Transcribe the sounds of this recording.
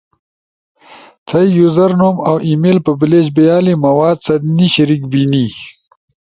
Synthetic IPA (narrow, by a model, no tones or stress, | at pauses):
t̪ʰɐjjuzɐɾnumawʔimelpəbled͡ʑbejaːlimɐwaːd̪̚sɐd̪niɕaɾik̚bini